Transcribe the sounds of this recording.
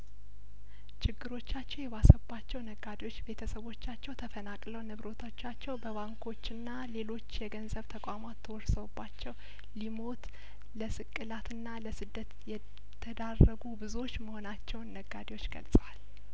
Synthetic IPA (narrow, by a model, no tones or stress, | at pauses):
t͡ʃɪɡːɨɾo̞t͡ʃːat͡ʃːɛwjɛβasəbat͡ʃːɛwnəɡːad̪ewo̞t͡ʃːbe̞t̪ʰəsəβo̞t͡ʃːat͡ʃːɛwt̪ʰəfənakʼləwnɨβɾo̞t̪ʰat͡ʃːat͡ʃːɛwbəβaŋkʰo̞t͡ʃːɨnːale̞lo̞t͡ʃːjɛɡənzəβt̪ʰəkʼamat̪ʰːəwɔɾsəwubːat͡ʃːɛw | limo̞t̪ | ləsɨkʼːɨlat̪ʰɨnːaləsɨd̪ːət̪jɛ | t̪ʰəd̪arːəɡubɨzuwo̞t͡ʃːməho̞nat͡ʃːɛwnːəɡːad̪ewo̞t͡ʃːɡə̰lsʼəwal